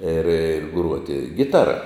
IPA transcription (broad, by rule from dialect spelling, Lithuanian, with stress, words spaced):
ɪr ˈɡruɔtʲɪ ˈɡʲɪtɐrɐ